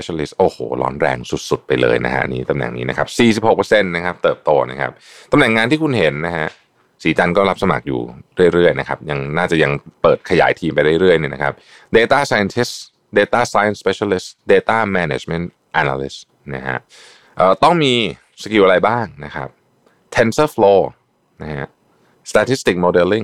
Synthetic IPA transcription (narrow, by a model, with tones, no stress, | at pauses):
e˧˥t͡ɕa˧li˦˥st̪̚ʔoː˨˩ho̰ː˨˩˦lɔ̰ː˦˥nɾɛ̰ː˧ŋsu˨˩t̪̚su˨˩t̪̚pa˧jlɤ̰ː˧jna̰˦˥kʰa̰˦˥˧niː˦˥t̪a˧mnɛ̰˨˩ŋnḭː˦˥na˦˥kʰa˦˥p̚siː˨˩si˨˩p̚ho˨˩pəː˧se˥˩nːa˦˥kʰa˦˥p̚t̪ɤː˨˩p̚t̪oː˧na̰˦˥kʰa̰˦˥p̚ | t̪a˧mnɛ˨˩ŋːaː˧nt̪ʰiː˥˩kʰu˧nɦe˨˩˦nːa˦˥ɦa˦˥ | siː˩˦t͡ɕa˧nkɔː˥˩la˦˥p̚sa˧ma̰˨˩k̚jṵː˨˩ɾɯ˥˩əjɾɯ˥˩əjna˦˥kʰa˦˥p̚ja˧ŋnaː˥˩t͡ɕa˨˩ja˧ŋpɤː˨˩t̪̚kʰa˧jaː˩˦jt̪ʰiː˧mpa˧jɾa˥˩jɾɯ˥˩əjni˥˩na̰˦˥kʰa˦˥p̚ | deː˧t̪aː˥˩saː˧ja˧nt̪ʰi˦˥s | deː˧t̪aː˥˩saː˧ja˧nspe˧ɕa˧li˦˥sdeː˧t̪aː˥˩mɛ˧nḛ˨˩t͡ɕme˦˥nt̪̚ | ʔaː˧na̰ː˧lḭ˦˥s | na̰˦˥kʰa̰˦˥ʔ | ʔəː˨˩t̪ɔ˥˩ŋmiː˧ | sa˧ki˨˩ʔɾa˧jbaː˥˩ŋna˦˥kʰa̰˦˥p̚ | t̪ʰe˧nsəː˥˩floː˧ | na˦˥hʰa̰˦˥ʔ | st̪ʰaː˧t̪ʰi˦˥st̪i˨˩k̚moː˧de˧lːi˥˩ŋ